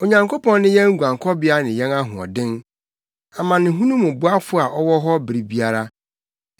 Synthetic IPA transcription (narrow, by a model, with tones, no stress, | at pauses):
o˨ɲã˨ŋkʰo˦pɔ̃˦nːɪ̃˦jɛ̃˦ŋ̩˦ɡʷã˨ŋ˨kʰɔ˦bɪ˦a˦nɪ̃˨jɛ̃˦na˦ɦʊ̃˨ɔ̰˨dɪ̃˦n | a˨mã˨nɪ̃˨ɦũ˦nũ˦mʊ̃˨bʊ˦a˦fʊ˦a˨ʔɔ˦wɔ˦ɦɔ˦bɪ˨ɾi˨bi˦a˦ɾa˦